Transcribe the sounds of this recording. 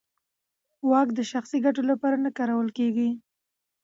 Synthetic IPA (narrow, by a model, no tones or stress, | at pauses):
wɑkd̪əʃaxsiɡaʈolapɑɾanakɑɾawəlkeɡi